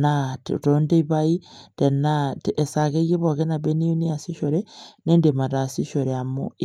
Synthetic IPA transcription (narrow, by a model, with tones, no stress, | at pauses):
nattonde˦iβai˦te˨nate˨sa˨ke˦je˦βo˨ke˦na˨beni˦u˦ni˦a˨si˦ʃoɾene˦ndema˨ta˨si˦ʃo˨ɾea˨mo̰i